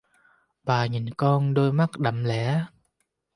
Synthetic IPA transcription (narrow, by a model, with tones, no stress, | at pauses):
ɓaː˨˩ɲi˨˩nkɔ˧nɗo˧jma˦˥k̚ɗə̰˧˨mlɛ̰˧˥